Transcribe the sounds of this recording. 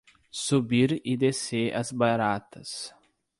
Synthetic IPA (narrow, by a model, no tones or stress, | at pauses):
subiɾid̪eseʔɐ̰zbaɾat̪ɐs